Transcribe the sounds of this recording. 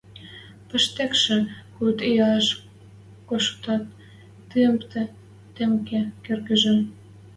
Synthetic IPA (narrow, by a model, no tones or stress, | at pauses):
pə̆ʃt̪ekʃĕkut̪ejɑeʃ | koʃt̪ɑt̪̚ː | ɯəmt̪ʰĕ | t̪emkekerɣə̆ʒĕ